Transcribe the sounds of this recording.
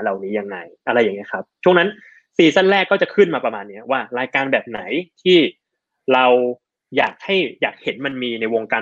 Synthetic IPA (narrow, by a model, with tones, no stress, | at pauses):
ɾa˨˩wniː˦˥ja˧ŋːa˧jʔa˧ɾa˧jːa˨˩ŋːi˦˥kʰa˦˥p̚t͡ɕʰu˥˩əna˦˥n | siː˨˩sa˥˩nɾɛː˥˩kːɔː˥˩t͡ɕa˨˩kʰɯ˥˩nmaː˧pɾa˧maː˧nːi˦˥ɐwaː˥˩ɾaː˧jkaː˧nbɛː˨˩p̚na˩˦jt̪ʰiː˥˩ | ɾa˧w | jaː˨˩k̚ha˥˩jjaː˨˩k̚he˩˦nma˧nmiː˧na˧jwo˧ŋkaː˧